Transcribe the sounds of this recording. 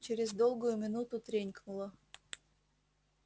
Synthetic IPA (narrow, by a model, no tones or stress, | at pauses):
t͡ɕɪɾʲɪzd̪o̞lˠɡʊjʊmʲɪnut̪ʊt̪ɾʲenʲknʊlˠə